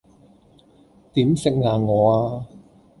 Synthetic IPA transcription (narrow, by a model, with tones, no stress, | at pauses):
t̪iː˨˥msɪ˨k̚ŋaː˨˧ŋɔː˨˧aː˧